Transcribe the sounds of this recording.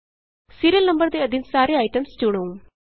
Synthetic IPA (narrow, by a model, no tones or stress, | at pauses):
siːɾijəlnɐmbəɾd̪eːɐd̪ʱinsaːɾeaːjʈəmst͡ʃuɽ̃ũː